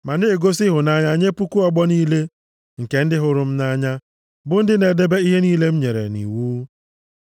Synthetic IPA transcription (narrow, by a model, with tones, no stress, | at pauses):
ma˨ne˦˨ɡo˦sɪ˦ɦʊ˨na˦ɲa˦ɲe˦pu˦ku˦ɔ˦ɡ͡bɔ˦niː˦le˦ | ŋ̩˨ke˨n̩˦dɪ˦ɦʊ˨ɾʊ˨m̩˦na˦ɲa˦ | bʊ˦n̩˦dɪ˦ne˨de˦be˦i˦ɦe˦niː˦le˦m̩˦ɲe˨ɾḛ˨nḭ˨wu˦